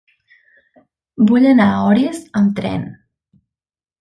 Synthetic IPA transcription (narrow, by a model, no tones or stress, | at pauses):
buʎənaɔɾiəzəmt̪ɾɛ̰n